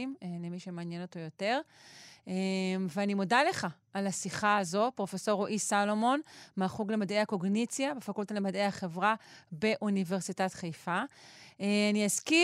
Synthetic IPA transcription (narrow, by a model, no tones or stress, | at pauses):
imelemiʃemeanjeno̞to̞jo̞te̞ʁ | emveanimodale̞χa | alasiχaazo̞pʁo̞feso̞ʁoʔisalo̞mo̞nmaχuɡlemadejako̞ɡnit͡sjabefakult̪alemadejaχe̞vʁabe̞ʔunive̞ʁsitatχejfaeaniaski